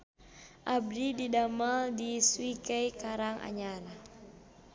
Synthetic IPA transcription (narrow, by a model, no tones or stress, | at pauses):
ʔab̚dididamaldiswikɛjkaɾaŋa̰ɲaɾa